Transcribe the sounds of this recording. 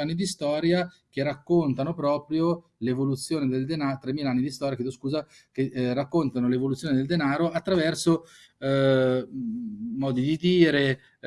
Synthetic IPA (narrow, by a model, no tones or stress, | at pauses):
anːid̪ist̪ɔːɾja | k̟erakːont̪anopɾɔːpɾjo | levolut̪sːjoːned̪eld̪enat̪ɾemilaanːid̪ist̪ɔːɾjakjeːd̪oskuːza | kerːakːont̪anolevolut̪sːjoːned̪eld̪enaːɾoʔat̪ːɾavɛrso | mɔːd̪id̪id̪iːɾe